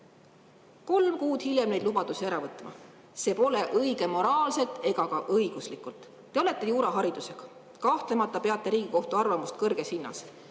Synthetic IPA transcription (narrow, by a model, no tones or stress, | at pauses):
ko̞lmkuːd̪̥hilʲjemne̞jd̪lubɑd̪̥usiæɾɑvɤt̪ːˑmɑ̰ | se̞ːpo̞le̞ʔɤjɡ̥e̞mo̞ɾɑːlse̞t̪ːˑe̞ɡ̥ɑkɑʔɤjɡ̥uslikult̪ː | e̞o̞le̞t̪ːˑe̞juːɾɑɦɑɾid̪̥use̞ɡ̥ɑ̥ | kɑht̪le̞mɑt̪ːˑɑpe̞ɑt̪ːˑe̞ɾiːɡ̥iko̞ht̪uɑrvɑmust̪̚kɤrɡ̥e̞shinːɑ̰s